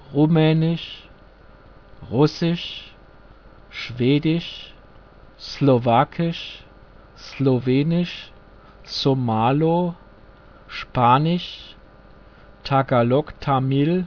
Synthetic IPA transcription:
ʁumɛːnɪʃ | ʁʊsɪʃ | ʃv̥eːdɪʃ | slovaːkʰɪʃ | sloveːnɪʃ | somaːlo | ʃpaːnɪʃ | tʰaɡalɔktʰamil

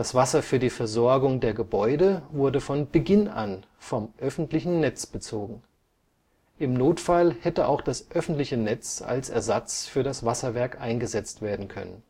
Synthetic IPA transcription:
d̥asv̥asɐfyːɐdiːfɛɐzɔɐɡʊŋdeːɐɡəbɔʏdəvʊɐdəfɔnb̥əɡɪna̰n | fɔmʔœfn̩tlɪçn̩nɛt͡sb̥ət͡soːɡŋ̩ | ʔɪmnoːtfalhɛtəʔa̰ʊxd̥asʔœfn̩tlɪçənɛt͡sa̰lsɛ̰ɐzat͡sfyːɐɾasv̥asɐvɛɐkʔaɪnɡəzɛt͡stv̥eːɐdn̩kʰœ̰nə̰n

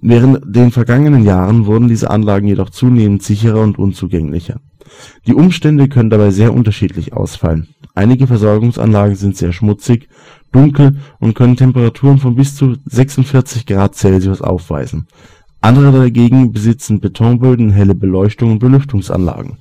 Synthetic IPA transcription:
vɛːʁ̞əntd̥eːnfɛɐɡaŋənənjaːʁ̞ənvʊɐdn̩diːzə̰ʔa̰nlaːɡŋ̩jedɔχt͡suːneːməntz̥ɪçəʁ̞ɐʊntʔʊ̰nt͡suːɡɛŋlɪ̰çɐ̰ | d̥iːʔʊmʃtɛndəkʰœnəndabaɪzeːɐʔʊ̰ntɐʃiːtʰlɪçʔa̰ʊsfa̰lən | ʔaɪnɪɡəfɛɐzɔɐɡʊŋsʔa̰nlaːɡŋ̩zɪntz̥eːɐʃmʊt͡sɪç | d̥ʊŋkl̩ʔʊntkʰœnəntʰɛmpəʁatʰuːʁənfɔnbɪst͡suzɛksʊntfɪɐt͡sɪçɡ̥ʁaːt̚t͡sɛlziʊsʔa̰ʊfv̥a̰ɪzn̩ | ʔandəʁ̞ədaɡeːɡŋ̩bəzɪt͡sn̩betʰɔŋbøːdn̩ɦɛləbəlɔʏçtʊŋʊnt̚b̥əlʏftʊŋsa̰nla̰ːɡŋ̩

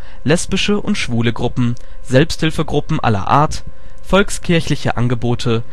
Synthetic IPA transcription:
lɛspɪʃəʔʊntʃv̥uːləɡʁʊpm̩ | zɛlpsthɪlfəɡʁʊpm̩ʔa̰lɐ̰ʔa̰ːɐt | fɔlkskʰɪɐçlɪçə̰ʔa̰nɡəboːtʰə

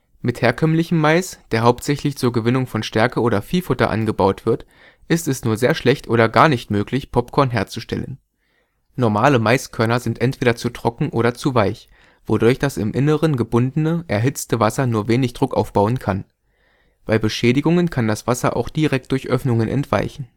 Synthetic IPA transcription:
mɪtheːɐkʰœmlɪçəmːaɪsd̥eːɐɦaʊp̚tz̥ɛçlɪçt͡suːɐɡəvɪnʊŋfɔnʃtɛɐkəʔoːɾɐfiːlfʊtɐ̰ʔa̰nɡəbaʊtv̥ɪɐt | ʔɪstɛsnuːɐzeːɐʃlɛçtʔoːɾɐɡaːɐnɪçtmøːklɪçpʰɔpkʰɔɐnɦeːɐt͡suʃtɛ̰lə̰n | nɔɐmaːləmaɪskʰœɐnɐzɪntʔɛntv̥eːɾɐt͡suːtʁ̥ɔkŋ̩ʔoːɾɐt͡suvaɪç | v̥odʊɐçd̥asɪ̰mʔɪnəʁənɡəbʊndənəʔɛɐɦɪt͡stəvasɐnuːɐveːnɪçd̥ʁʊkʔa̰ʊfb̥aʊənkʰan | b̥aɪbəʃɛːdɪɡʊŋənkʰandasv̥asɐ̰ʔa̰ʊxd̥iʁɛk̚t̚d̥ʊɐçʔœfnʊŋənʔɛ̰ntv̥a̰ɪçn̩

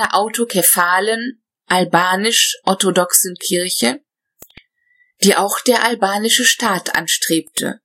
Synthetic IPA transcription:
ɐʔaʊtokʰɛfaːlən | ʔalbaːnɪʃʔɔɐtodɔksən̩kʰɪɐçə | d̥iːʔaʊxd̥eːɐʔalbaːnɪʃəʃtaːtʰʔa̰nʃtʁ̥eːp̚tʰə̰

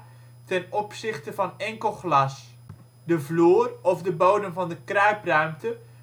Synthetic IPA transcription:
tɛnɔpsɪχtəvɑnɛŋkəlˠχlɑs | dəvluːrɔvdəbowdəmvɑndəkrœɥprœɥmtə

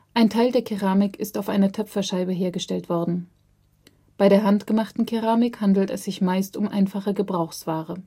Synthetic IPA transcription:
ʔaɪntʰaɪldeːɐkʰeʁaːmɪkʰɪstaʊfʔaɪnɐtʰœfɐʃaɪbəɦeːɐɡəʃtɛltv̥ɔɐdn̩ | b̥aɪɾeːɐɦantɡ̥əmaχtn̩kʰeʁaːmɪkhandl̩tɛsz̥ɪçmaɪstʊmʔa̰ɪnfaχəɡəbʁaʊxsv̥aːʁə

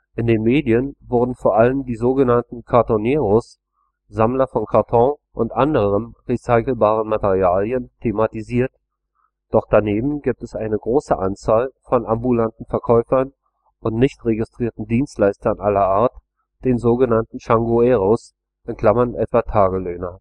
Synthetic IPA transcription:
ʔɪndeːnmeːdiənvʊɐdn̩foːɐʔaləmdiːzoːɡənantn̩kʰaɐtɔneːʁos | zamlɐfɔnkʰaɐtʰɔ̃ʔʊntʔandəʁəʁəmʁisaɪkl̩baːʁ̞ənmateʁiaːljəntʰematiziːɐt | d̥ɔχd̥aneːbm̩ɡiːp̚tɛsʔaɪnəɡʁoːsəʔant͡saːlfɔnʔambulantn̩fɛɐkʰɔʏfɐn | ʔʊntnɪçtʁeɡɪstʁ̥iːɐtn̩diːnstlaɪstɐnʔalɐʔaːɐt | d̥eːnzoːɡənantn̩ʃaŋɡoɛːʁos | ʔɪnkl̥amɐnʔɛtv̥atʰaːɡəløːnɐ

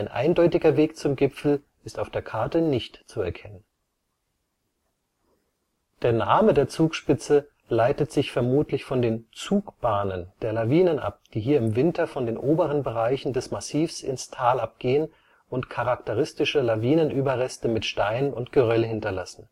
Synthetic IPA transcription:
aɪnʔa̰ɪndɔʏtɪɡɐveːkt͡sʊmɡɪpfl̩ | ɪstaʊfd̥eːɐkʰaɐtənɪçtt͡suɛ̰ɐkʰɛnən | d̥eːɐnaːmədeːɐt͡suːkʃpɪt͡sə | laɪtətz̥ɪçfɛɐmuːtlɪçfɔndeːnt͡suːkb̥aːnənd̥eːɐlaviːnənʔa̰p̚d̥iːɦiːɐɪmvɪntɐfɔndeːnʔoːbəʁ̞ənbəʁaɪçn̩dɛsmasiːfsɪ̰nstʰaːlap̚ɡ̥eːən | ʔʊntkʰaʁaktəʁɪstɪʃəlaviːnənʔyːbɐʁɛstəmɪtʃtaɪnənʊntɡ̥əʁœlənhɪntɐlasn̩

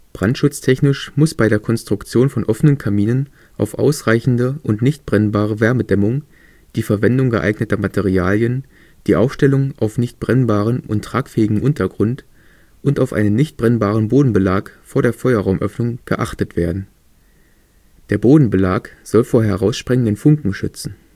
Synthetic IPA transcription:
b̥ʁantʃʊt͡stʰɛçnɪʃmʊsb̥aɪɾeːɐkʰɔnstʁ̥ʊkt͡sjoːnfɔnʔɔfənənkʰamiːnən | ʔa̰ʊfʔa̰ʊsʁaɪçn̩dəʊntnɪçt̚b̥ʁɛnbaːʁəvɛɐmədɛmʊŋ | d̥iːfɛɐvɛndʊŋɡə̰ʔa̰ɪɡnətɐmatʰeʁiaːljən | d̥iːʔaʊfʃtɛlʊŋʔaʊfnɪçt̚b̥ʁɛnbaːʁ̞ənʔʊntʁ̥aːkfɛːɪɡŋ̩ʔʊntɐɡʁʊnt | ʔʊntaʊfʔa̰ɪnənːɪçt̚b̥ʁɛnbaːʁənboːdn̩bəlaːkfoːɐɾeːɐfɔʏɐʁaʊmʔœfnʊŋɡ̥ə̰ʔaχtətv̥eːɐdn̩ | d̥eːɐboːdn̩bəlaːkz̥ɔlfoːɐɦɛʁaʊsʃpʁ̥ɛŋəndənfʊŋkŋ̩ʃʏ̰t͡sn̩

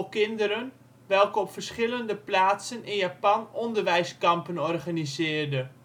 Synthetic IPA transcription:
kɪndəɾən | ʋɛlˠkəɔpfərsχɪləndəplaːtsənɪnjapɑnɔndərʋɛjskɑmpənɔrχanizɪːrdə

